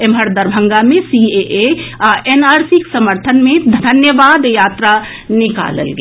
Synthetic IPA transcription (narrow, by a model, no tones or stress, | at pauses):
emɦəɾd̪əɾbʱə̃ŋɡamẽsieʔeaʔenaːɾsiksəməɾt̪ʰənmẽd̪ʱd̪ʱɐnjəʋaːd̪jaːt̪ɾa | nɪka̰ːlə̰lɡe